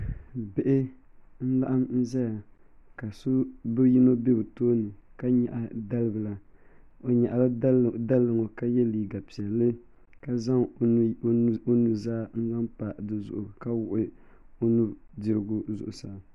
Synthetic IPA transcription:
be˦ʔɪ˦ | n̩˦la˦ʔa˦mn̩˦zɛ˦ja˨ka˨so˦bɨ˦ji˦no˦be˦bɨ˨toː˦nɨ˨ka˦ɲɛ˨ʔa˨da˦lɨ˦bɨ˨la˨ | o˨ɲa˨ʔa˨la˦da˦lːɨ˨ŋo˨ka˦jɛ˦liː˨ɡa˨pi˨ɛ˨lːɨ˦ | ka˦za˦ŋ˦ | o˦nu˨zaː˦n̩˦za˦mpa˨dɨ˦zʊ̰˨ʔʊ˨ka˦wʊ˦ʔʊ˦ | o˦nu˦dɪ˨ɾɨ˦ɡʊ˦zʊ̰˨ʔʊ˨sa˨

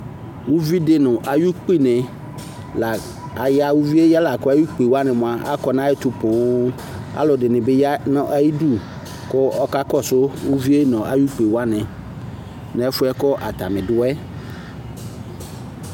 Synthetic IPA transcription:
wu˦vi˦dɪ˦nʊ̃˨ʔa˨ju˦k͡pi˦˨nɪ̃˨ | la˨ | a˨ja˦wu˦vi˦e˦ja˦la˨kɔ˦a˦ju˦k͡pe˨wa˦nɪ̃˨mʊ̃˨a˨ʔa̰˦kɔ˨nã˦ɪ˦t̪ʊ˨pʊ̃˨˦ | a̰˦lʊ˨dɪ˨nɪ̃˨bɪ˦ja˦nɔ̃˦ʔa˦ji˦du˦ | kɔ˦ɔ˦ka˦kɔ˦sʊ˦wu˦vi˦e˦nɔ̃˨ʔa˨ju˦k͡pe˨wa˦nɪ̃˨ | nɛ̃˦fʊ˦ɛ˦kɔ˦ʔa̰˨t̪a˨mɪ̃˨dʊ˦ɛ˦

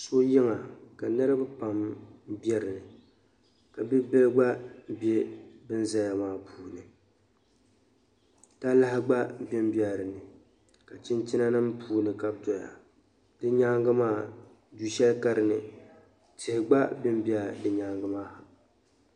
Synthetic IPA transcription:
so˦jɪ˦ŋa˨ka˨nɨ˦ɾɨ˦bɨ˦pa˨mbɛ˦ɾɨ˨nɨ˨ | ka˨bɪ˦bɛ˦lɡ͡ba˦be˦bɨ˦n˦za˦ja˨maː˦pʰuː˦nɨ˨ | ta˦la˦hɪ˦ɡ͡ba˦bɪ˦m˦bja˨ɾɨ˨nɨ˨ | ka˨t͡ʃɪ˦ntɪ˦na˦nɨ˦m˦pʰuː˦nɨ˨ka˨b̚dɔ˨ja̰˨ | d̥ɨ˦ɲa˦ŋɡɨ˦maː˦ | du˦ʃɛ˦ka˦ɾɨ˨nɨ˨ | tɪ˨hɪ˨ɡ͡ba˦bɪ˦m˦bi˦a˨dɨ˨ɲaː˦ŋɡɨ˦maː˦ha˨

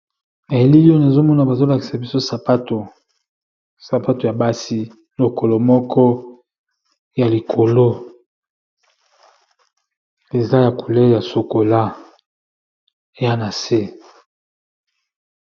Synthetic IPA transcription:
na˨je˦li˦o˦na˨zo˦mɔ˦na˨ba˨zo˦la˨ki˨sa˨bi˦so˦sa˨pa˦to˨ | sa˨pa˦to˨ja˨ba˦si˦ | lo˨ko˨lo˨mɔ˦kʰɔ˦ | ja˨li˨kʰo˨lo˦ | e˨za˦ja˨ku˨le˦ja˨so˨ko˨la˦ | e˨ja˦na˨se˦

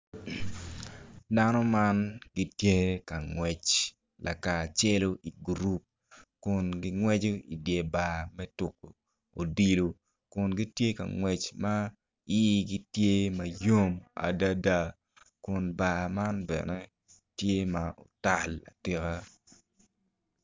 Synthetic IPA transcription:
da˦nɔ˦ma˦nɡi˦tje˦ka˨ŋwɛ˨t͡ʃ | la˨ka˨t͡ʃe˦lo˦ʔi˨ɡɾu˦p̚ | kʊ˨nɡi˦ŋwɛ˦d͡ʒo˦i˨dje˨ba˨mɛ˦tʊ˨ko˨ | o˨di˦lo˨ | kʊ˨nɡi˦tje˦ka̰˨ŋwɛ˨t͡ʃma˦ | i˦ɡi˦tje˦mɐ˨jo˦ma̰˨da˦da˨ | kʊ˨nba˨ma˦nbɛ̰˨nɛ˦ | tje˦mao̰˨ta˨la̰˨tɪ˦ɣa˦

